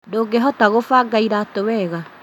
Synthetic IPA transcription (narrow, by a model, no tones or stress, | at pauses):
ndoːɡeɦɔtaɣofaɡaiɾaːtowɛɣa